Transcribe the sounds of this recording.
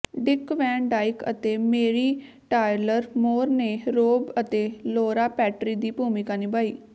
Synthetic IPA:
ɖɪkʋɛ̃ːɳɖaːɪkə̰t̪eːmeːɾiː | ʈaːɪləɾmoːɾneːɾoːbət̪eːloːɾaːpɛːʈɾiːd̪iːpuːmɪkaːniːbaːiː

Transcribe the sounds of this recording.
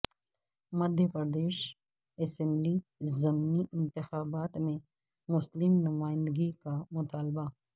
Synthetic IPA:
mɐd̪ʱjəpəɾd̪eːʃ | ɛsɛ̃mblizɐmniʔɪ̃nt̪ɪxaːbaːt̪mẽ | mʊslɪmnʊmaːɪ̃nd̪əɡikamʊt̪aːlba

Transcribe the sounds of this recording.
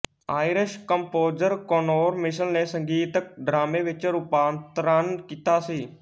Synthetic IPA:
aːɪɾɪʃkəmpoːd͡ʒəɾkonoːɾmɪʃənneːsəŋɡiːt̪ək̚ɖɾaːmẽːʋɪt͡ʃɾʊpaːnt̪ɾənkiːt̪aːsiː

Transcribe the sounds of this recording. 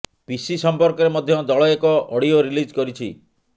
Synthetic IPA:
pisisɔmpɔɾkɔɾemɔd̪ʱjɔd̪ɔɭɔekɔʔɔɽioɾilid͡ʒkɔɾit͡ʃʰḭ

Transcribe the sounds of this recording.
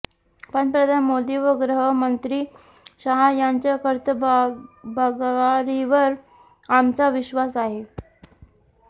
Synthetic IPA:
pəɳpɾəd̪ʱanmod̪iːʋəɡɾəɦəmənt̪ɾiː | ɕaɦajaɲt͡ɕjakəɾt̪ʰə | baɡaɾiʋəɾ | amt͡saʋiɕʋasaɦe

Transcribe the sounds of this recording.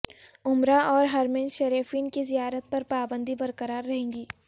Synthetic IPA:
ʊmɾaʔɔːɾɦɐɾmẽnʃɐɾeːfiːnkizijaːɾət̪̚pɐɾpaːbə̃nd̪ibɐɾkəɾaːɾːɐɦẽːŋɡiː

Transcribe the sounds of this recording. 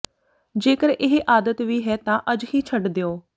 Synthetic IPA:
d͡ʒeːkəɾʔɪɦʔaːd̪ət̪ʋiːɦɛːt̪ãːʔəd͡ʒhiːt͡ʃʰəɖd̪eoː

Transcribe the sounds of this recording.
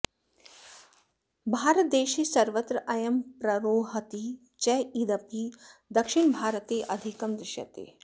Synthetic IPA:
bʱaːɾət̪̚d̪eːʃiːsɐɾʋət̪ɾəʔɐjɐmpɾɐɾoːɦət̪i | t͡ʃɐːid̪ɐpid̪ɐkʃiɳbʱaːɾət̪eːʔɐd̪ʱikɐmd̪ɾɪʃjɐ̰t̪ḛː

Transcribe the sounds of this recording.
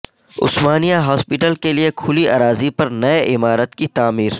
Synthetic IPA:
ʊ̰smaːnijaɦɔːspɪʈəlkeliekʰʊlia̰ːɾaːzipɐɾnɐeʔɪmaːɾət̪kit̪aːmiːɾ

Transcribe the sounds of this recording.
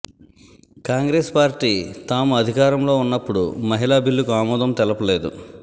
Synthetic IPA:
kaːŋɡɾeːspaːɾʈiːt̪aːmuɐd̪ʱikaːɾɐmlo̞ːunːɐpːuɽṵmɐɦilaːbilːukuaːmɔːd̪ɐmt̪ɛlɐpɐleːd̪ṵ

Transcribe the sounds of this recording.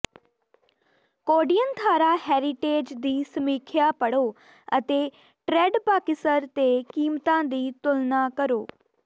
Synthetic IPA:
koːɖijənd̪ʱaːɾaɦɛːɾɪʈeːd͡ʒd̪iːsəmiːkʰjapɐɽo | ə̰t̪e | ʈɾeːɖpaːkɪsəɾt̪ekiːmt̪ãːd̪iːt̪ʊlnakəɾoː

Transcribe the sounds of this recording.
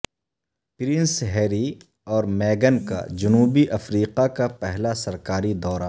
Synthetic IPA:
pɪɾɪ̃nsɦɛːɾi | ɔːɾmɛːɡənka̰d͡ʒʊnuːbiʔɐfɾiːqakapɛɦlasɐɾkaːɾid̪ɔːɾa

